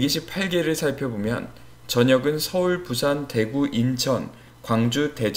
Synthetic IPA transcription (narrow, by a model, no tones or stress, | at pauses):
eɡiɕʰipʰaɭɡeɾɯɭsʰaɭpʰjʌbomjʌ̰n | t͡ɕʌɲʌɡɯnsʰʌuɭpusʰante̞ɡuʔint͡ɕʰʌn | kwaŋd͡ʑute̞d͡ʑ